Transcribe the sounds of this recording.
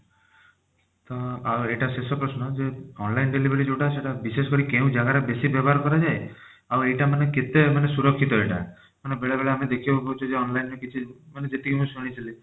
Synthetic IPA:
t̪ɔaeʈasesɔpɾɔsnɔd͡ʒeɔnlajnɖelibeɾid͡ʒoʈaseʈabiseskɔɾikeũd͡ʒaɡaɾebesibjɛbɔɦaɾkɔɾad͡ʒae | aejʈamaneket̪emanesuɾɔkʰːit̪ɔeʈa̰ | manebeɭebeɭeamed̪ekʰibbakɔut͡ʃʰɔd͡ʒeɔnlajnɔkit͡ʃʰimaned͡ʒet̪ikimũsɔɽ̃it͡ʃʰili

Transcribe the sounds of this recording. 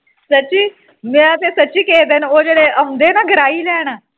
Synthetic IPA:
sət͡ɕiː | miat̪esət͡ɕiːked̪enod͡ʑeɽeəmd̪enaɡʱɾailaɽ̃a

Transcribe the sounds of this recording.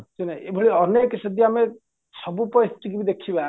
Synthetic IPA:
sunaebʱɔɭiɔneksəd̪ijame | sɔbupɔisʈikibid̪ekʰiba

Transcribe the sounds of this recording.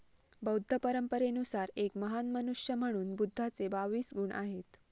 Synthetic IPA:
bəwd̪ʱːəpəɾəmpəɾenusaɾekməɦanmənuʂjəm̤əɽ̃uːnbud̪ʱːat͡sebaʋiːsɡuɳʔa̰ɦet̪

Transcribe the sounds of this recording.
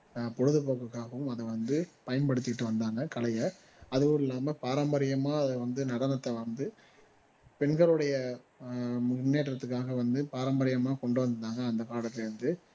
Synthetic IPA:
pɔɻɯðɯpoːkɯkːaːɣɐʋɯmɐðɐʋɐnd̪ɯpɐjɐnpɐɽɯt̪ːɪɪʈːɯʋɐnd̪aːŋɡɐkɐlɐjɐ | ɐðɯʋɯɪlːaːmɐpaːɾɐmbɐɾɪjɐmaːɐðɛʋɐnd̪ɯnɐɽɐnɐt̪ːɐʋɐnd̪ɯ | pɛnɡɐɭɯɽɐjɐ | mʊnːeːʈrɐt̪ːɯk̬ːaːɣɐʋɐnd̪ɯpaːɾɐmbɐɾɪjɐmaːkɔɳɖɯʋɐnd̪ɯt̪ːaːŋɡɐːnd̪ɐkaːɽɐt̪ːɪlɐɾɯnd̪ɯ

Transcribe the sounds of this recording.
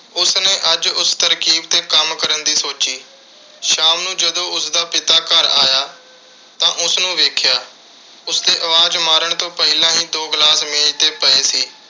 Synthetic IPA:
ʊsneːʔəd͡ʒʊst̪əɾkiːbt̪eːkəmkəɾənd̪iːsoːt͡ʃiː | ʃaːmnũːd͡ʒəd̪õːʊsd̪aːpɪt̪aːkəɾaːjaː | t̪ãːʔʊsnũːʋeːkʰjaː | ʊsd̪eːʔəʋaːd͡ʒmaːɾəɳt̪õːpəɦɪlãːɦĩːd̪oːɡlaːsmɪd͡ʒt̪eːpəeːsiː

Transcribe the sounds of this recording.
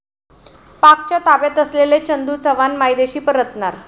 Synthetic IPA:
pakt͡ɕjat̪abet̪əslelet͡ɕənd̪uːt͡səʋanmajd̪eɕiːpəɾət̪naɾ

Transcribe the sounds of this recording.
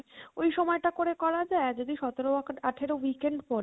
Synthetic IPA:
ojʃɔmɔeʈakoɾekɔɾad͡ʑaed͡ʑod̪iʃɔt̪eɾoaʈʰeɾowikeɳɖpɔɾ

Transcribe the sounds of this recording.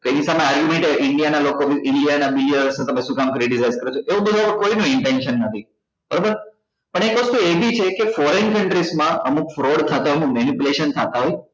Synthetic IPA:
k̪oenisameaɾɡjumẽɳʈeʔɪɳɖijanalokoʋiɪɳɖijanabiliəɾsnẽt̪əmẽsukamkəɾiɖisajzkəɾet͡ʃʰoʔeõbəd̪ʱuapəɾkoinũɪɳʈenʃənːət̪ʰi | b̥əɾobəɾ | pəɳ̃ekʋəst̪uebʱit͡ʃʰekefɔɾenkəɳʈɾismãʔəmukfɾoɽt̪ʰat̪aəmũkmɛnipuleʃənt̪ʰat̪aɦoj

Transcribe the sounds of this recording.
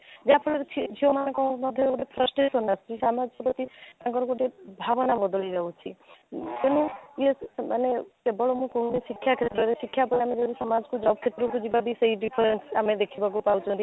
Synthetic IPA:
d͡ʒapʰɔɽt͡ʃʰid͡ʒʱiomanãkɔmɔd̪ʱjɔkuʈepʰɾəsʈɾesɔnəst̪ʰisamad͡ʒkpɔt̪iãkɔɾkoʈebʱaʋnabɔd̪ɔliɾɔũt͡ʃʰit̪enũemanekebɔɭomũkɔɦũnesikʰːjakʰet̪ɾɔɾesikʰːjapɔlamed͡ʒedisɔmad͡ʒkud͡ʒɔb̚kʰet̪ɾokud͡ʒibabʱiseifɖipʰɔɾensamẽd̪ekʰibakupaũt͡ʃʰũnt̪i

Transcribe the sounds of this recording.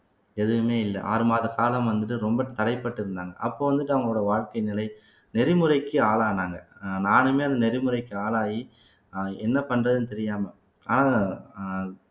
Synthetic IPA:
ɛðɯʋɯmeːɪlːɐʔa̰ːɾɯmaːðɐkaːlɐmʋɐnd̪ɯʈːɯɾɔmbɐt̪ɐɽɐɪpːɐʈːɪɾɯnd̪aːŋɡɐ̰ʔɐpːoːʋɐnd̪ɯʈːɯɐŋɡɐːɽɐʋaːɻkɐɪnɪlɐɪ | nɛɾɪmɯɾɐɪkːɯaːɭaːnaːŋɡɐnaːnɯmeːɐðɯnɛɾɪmɯɾɐɪkːɯaːɭaːji | ɛnːɐpɐnːrɐðɯnt̪ɛɾɪjaːmɐ | a̰ːnaː

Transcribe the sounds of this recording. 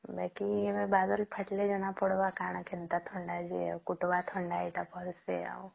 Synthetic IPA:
bakiʋebad̪əlpʰəʈled͡ʒɔnapɔɽʋakaːɳ̃akʰent̪at̪ʰɔɳɖad͡ʒḛa̰kuʈʋat̪ʰɔɳɖaiʈapʰɔɾsḛa̰u

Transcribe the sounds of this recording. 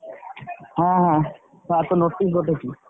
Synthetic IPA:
ɦɛ̃ɦɛ̃ | ɛt̪onoʈ̪ːiɦot̪eki

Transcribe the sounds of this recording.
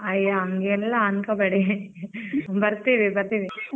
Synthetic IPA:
ɐjaɐŋɡːlːɐankɐbɐɽi | bɐɾt̪iʋibɐɾt̪iʋi

